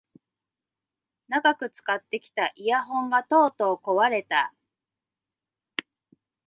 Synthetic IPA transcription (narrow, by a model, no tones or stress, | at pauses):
naɡakɯ̟t͡sɨ̥kat̪ːe̞kʲi̥t̪aʔijaɦõ̞ŋɡat̪o̞ːt̪o̞ːko̞βaɾe̞t̪a